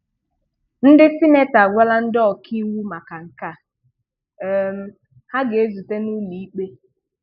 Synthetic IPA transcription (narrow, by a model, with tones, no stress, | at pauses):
n̩˦dɪ˦si˦ne˦ta˨ɡʷa˦la˦n̩˦dɔ˦˨kʰi˦wu˦ma˨ka˨ŋ̩˨ka˦˨ | m̩˦ | ha˦ɡe˨e˦zu˨te˦nu˦li˨i˦k͡pe˦